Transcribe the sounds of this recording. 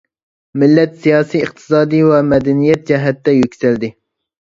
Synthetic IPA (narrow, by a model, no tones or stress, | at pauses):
mɪlːɛt̪sijɑːsijəqt̪ʰɨ̥sɑːd̪ijwɛmɛd̪ɛnijɛt̪̚d͡ʒɛɦɛt̪ːɛjykʲsɛld̪ɪ